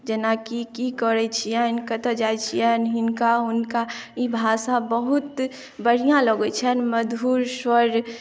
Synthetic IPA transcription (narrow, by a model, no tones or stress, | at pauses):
d͡ʒenakikikəɾɛt͡ʃʰijɛ̃ɪnkət̪əd͡ʒajt͡ʃʰijɛnɦɪnkaʊnkaibʱasabəɦut̪ | bəɽ̤ijãləɡɛt͡ʃʰənməd̪ʱuːɾswəɾ